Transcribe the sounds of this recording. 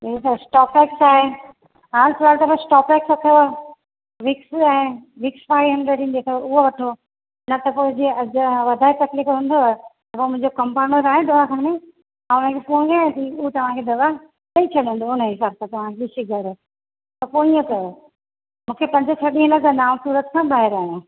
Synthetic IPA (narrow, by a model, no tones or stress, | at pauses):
et̪ɐsʈɔːpɛːksaːɦe | aːnsʰʊɾaːlt̪ɐʋãsʈɔːpɛːksɐk̪ʰeo | ʋɪksɛ̃ɦe | ʋɪkspaːiɦɐ̃nɖɾeʈĩnd̪eːkʰeʊɦoʋɐʈʰo | nɐt̪ɐpod͡ʑiɐʋɐd̪ʱaːit̪ɐklikɦũːnd̪ot̪ɐpoːmʊ̃ɦɪ̃ɲd͡ʑokɐmpaːnəɾaːɦẽd̪ɐʋakʰãne | ãːʊnəkʰepoːĩaːɦẽt̪iuɦt̪ɐʋ̤ãkʰed̪ɐʋa | t̪ɐĩt͡ɕʰɐɗ̃nd̪oʊnəɦɪsaːɾsat̪ɐʋ̤ãkʰeɗɪsiɡʱɐɾ | t̪ɐpoːĩə̃kɐjo | mũːkʰepɐ̃ɲd͡ʑəsʰɐɗĩɦnək̪ɐnaːʋsuːɾət̪kʰãːbaːɦɪɾaːɦ